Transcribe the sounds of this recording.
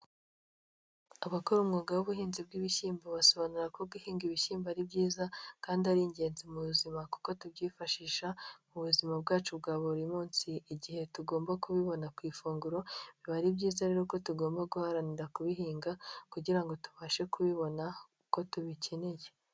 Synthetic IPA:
aβakoɾumŋoːɡawuβuhiːnzib̚ɡiβiʃiːmboβaso̞βanuɾakobɡuhiːŋɡiβiʃiːmbaɾibɟiːzakaːndihaɾiɲɟe̞ːnzimuβuzimaku̥ko̞tubɟiːfaʃiːʃamuβuzimab̚ɡaːt͡ʃubɡaːβoɾimuːnsiːɟihe̞tuɡo̞ːmbakuβiβo̞nakwiːfuːŋɡuɾo̞βiβaɾibɟiːzaɾeɾoko̞tuɡo̞ːmbaɡuhaɾaniɾakuβiɦiːŋɡakuɟiɾaŋɡo̞tu̥βaːʃe̞kuβiβo̞na | ko̞tuβicʰeneje

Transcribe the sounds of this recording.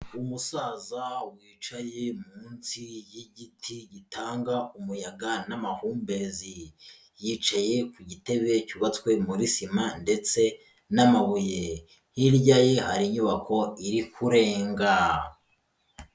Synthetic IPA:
umusaːzawiːt͡ʃaje̞muːnsijiɟitʰiɟitʰaːŋɡaumujaɡanamahuːmbe̞zi | jiːt͡ʃaje̞kuɟite̞βe̞cuβat͡skwe̞muɾisimande̞t͡se̞ | namaβuje | hiɾɟaje̞haɾiɲuβakʰo̞iɾikʰuɾe̞ːŋɡa

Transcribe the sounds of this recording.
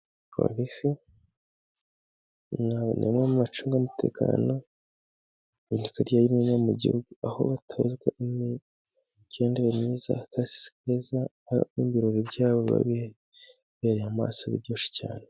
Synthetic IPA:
wa̰βisi | naβ̰nʔḛmŋaumat͡ʃuːŋɡamutʰe̞̰ːka̰ːno̞ | inikaɾjajimenamuɟḭhuɡuaho̞̰βatʰaβazɡwaimi | ɟ̥e̞ːndeɾemɲiːza̰kaɾasi̥si̥keza | mimiɾoɾibɟaːβoβa̰βe | βeɾejama̰saβḭɾɟoːʃi̥ca̰ːne

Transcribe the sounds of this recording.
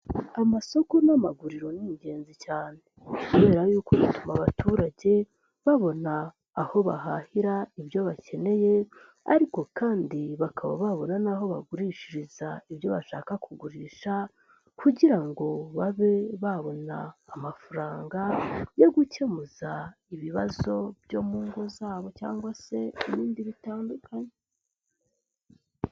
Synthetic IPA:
amaso̞ko̞namaɡuɾiɾo̞niiɲɟe̞ːnzicaːne̞kuβe̞ːɾajuːkoβatumaβatuːɾaɟe̞ | βaβo̞naː | ho̞βa̰ɦahiɾaiβjo̞βace̞ne̞je̞ | a̰ɾiko̞kaːndiβakʰaβa̰βaβo̞nanaɦo̞βa̰ɡuɾiʃiɾizaiβjo̞βaʃa̰ːkakuɡuɾiːʃa | kuɟiɾaŋɡo̞βaβe̞βaβo̞na̰ːmafuɾaːŋɡajo̞ɡuce̞muza | iβiβazo̞bjo̞muːŋɡo̞zaːβo̞ca̰ːŋɡwase̞iβiːndiβitaːndukʰaɲe

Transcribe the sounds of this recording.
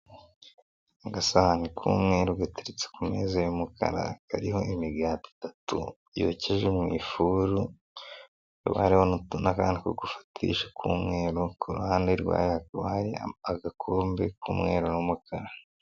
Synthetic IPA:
aɡasahanikʰuːmŋe̞ːɾuɡwatiɾit͡se̥kumeːzajumukʰa̰ɾa̰ka̰ɾiho̞ʔimiɡaːti̥tatʰṵ | jo̰ceʒemŋiːfuːɾu | jo̰βa̰ɾihonutunʔakaːndikoɡufḁtʰḭːʃḁkʰuːmŋe̞ːɾokʰoɾṵhaːndeɾɡwa̰ːjakβaɾiaɡakʰoːmbekuːmŋe̞ːɾonumukʰaɾa

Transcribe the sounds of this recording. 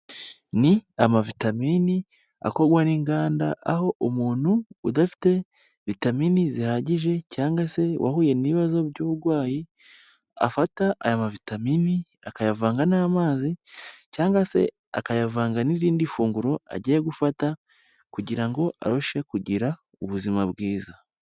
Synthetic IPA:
niamavitamini | a̰ko̞ɾɡwaniːŋɡaːndaʔaho̞ʔumuːnhuːdafi̥te̞ | vitaminizihaɟiʒe̞caːŋɡase̞wʔa̰huːje̞niβazo̞βɟuːβuɾɡwaːji | a̰fataʔajamavitamini | akajavaːŋɡanaːmaːzicaːŋɡase̞̰ | a̰kajavaːŋɡaniɾiːndifuːŋɡuɾo̞a̰ɟijeɡufata | kuɟiɾaŋɡo̞ʔa̰ɾoʃe̞kuɟiɾa | uβuzimaβɡiːza

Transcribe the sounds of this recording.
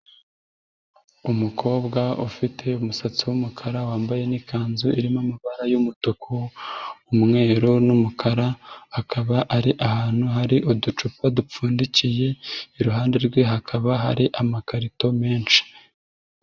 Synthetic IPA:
umukʰo̞ːbɡaufitʰe̞umusat͡siwumukʰaɾawaːmbaje̞nikʰaːnzuiɾimomaβaɾajumutokʰoː | mŋe̞ːɾonumukʰaɾaakʰaβaʔaɾiʔahaːn̥huɦaɾiʔodut͡ʃupadup͡fuːndicije̞iɾuɦaːnde̞ɾɡwe̞ɦakʰaβaɦa̰ɾiʔamakaɾito̞me̞ːnʃi̥

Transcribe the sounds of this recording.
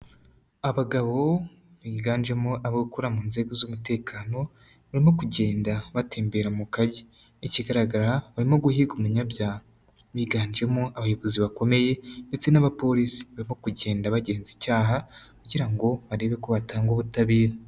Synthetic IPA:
aβaɡaβo̞ | βiːɡaːnd͡ʒe̞moʔaβokuɾamuːnze̞ːɡozomute̞ːkʰaːno̞ | βaɾimo̞kuɟe̞ːndaβatʰeːmbe̞ɾamukaɟe | iciɡaɾaɡaɾaβaɾimo̞ɡuhiɡumuɲabjaː | βiːɡaːnd͡ʒe̞moaβajo̞βoziβako̞me̞je̞ndet͡se̞naβapo̞ɾisi̥βaɾimo̞kuɟe̞ːndaβaɟe̞ːnzicaːɦakuɟiɾaŋɡo̞βaɾe̞βe̞koβataːŋɡoβutaβiːɾa

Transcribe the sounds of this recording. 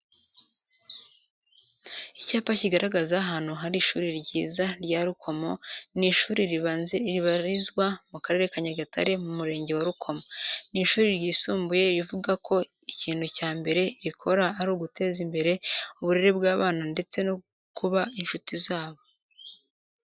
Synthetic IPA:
icaːpaciɡaɾaɡazaɦaːn̥huɦaɾiʃuːɾiɾɟiːzaɾɟaːɾukʰo̞mo̞niːʃuːɾiɾiβaːnzeɾiβaɾizɡwamukaɾe̞ɾe̞kaɲaɡatʰa̰ɾe̞mumuɾe̞ːɲɟe̞waɾukʰo̞moniːʃuːɾiɾɟiːsuːmbuje̞iɾivuɡakʰo̞ | iciːnhucaːmbe̞ɾe̞iɾikʰo̞ɾaːɾuːɡute̞ːzimbe̞ɾe̞uβuɾe̞ɾebɡaːβaːnande̞t͡se̞no | kuβainʃutizaːβo̞

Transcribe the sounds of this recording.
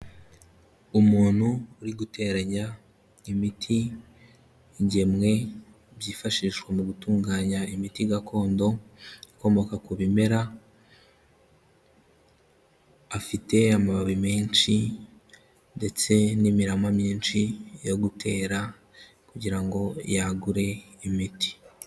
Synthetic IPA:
umuːnhuːɾiɡute̞ːɾaɲa | imitʰi | ɟe̞mŋe̞ | βjiːfaʃiʃwamuɡutuːŋɡaːɲaimitiɡakʰo̞ːndo̞ako̞mo̞kakuβime̞ɾa | fite̞amaβaβimeːnt͡ʃi | nde̞t͡se̞nimiɾamwamiːnt͡ʃijo̞ɡutʰe̞ːɾa | kuɟiɾaŋɡo̞jaɡuɾe̞ | imiti̥

